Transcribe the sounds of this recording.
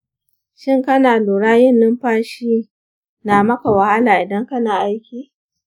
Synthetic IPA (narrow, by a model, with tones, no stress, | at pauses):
ʃɪ˦ŋkɐ˦naː˨loː˨ɽaː˦jɪ˦nːɪ˦mɸaː˦ʃiː˦ | naː˨mɐ˦ka˨wɐ˨ha˦laː˨ʔɪ˨dɐ˦ŋkɐ˦naː˨ʔa˦jkʲiː˦